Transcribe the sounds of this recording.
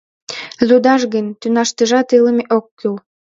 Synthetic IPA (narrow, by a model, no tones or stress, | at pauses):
zud̪ɑʃɣə̆nʲt̪ynɑʃt̪əʒɑt̪ɨlə̆meʔokːyl